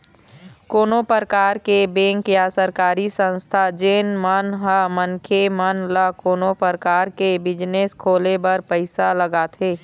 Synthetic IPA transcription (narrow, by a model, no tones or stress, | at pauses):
koːnopəɾkaːɾkebẽːŋkjasəɾkaːɾisə̃nst̪ʰad͡ʒeːnmənɦəmənkʰemənlakoːnopəɾkaːɾkebɪd͡ʒneskʰoːlebɐɾpəɪsaləɡaːt̪ʰeː